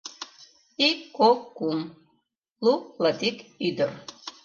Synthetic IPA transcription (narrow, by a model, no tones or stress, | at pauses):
ikokum | lulad̪ikid̪ɨr